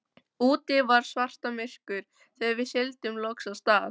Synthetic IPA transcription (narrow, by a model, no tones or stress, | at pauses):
uːt̪ɪvaɾ̥svar̥t̪amɪr̥kʏɾ̥ | θɛːðaɾvɪðsjɛlt̪ʏmlɔksast̪aːð